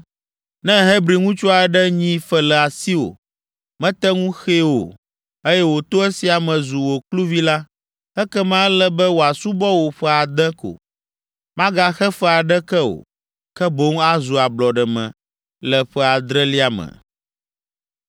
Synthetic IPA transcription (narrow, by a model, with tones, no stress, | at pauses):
nɛ̃˦ɦe˦bɾi˨ŋũ˦t͡ʃo˦a˨˦ɖɛ˦ɲĩ˦fɛ˦lɛ˨a˨si˦wo̰˨ | mɛ̃˦t̪ɛ˦ŋũ˦xe˦wo̰˨ | e˦jɛ˦wo˨t̪o˦ɛ˦si˨a˨mɛ̃˨zu˨wo˨klu˦vi˦la˦ | ɛ˦kɛ˦mã˦lɛ˦bɛ˦wo˨a˨su˦bɔ˦wo˨ɸɛ˦a˨d̪ɛ̃˦ko̰˨ | mã˦ɡa˦xɛ˦fɛ˦a˨ɖɛ˦kɛ˦o̰˨ | kɛ˦bo˦ŋa˦zu˨a˨blɔ˨ɖɛ˨mɛ̰̃˨ | lɛ˨ɸɛ˦a˨d̪ɾɛ˦li˦a˨mɛ̰̃˨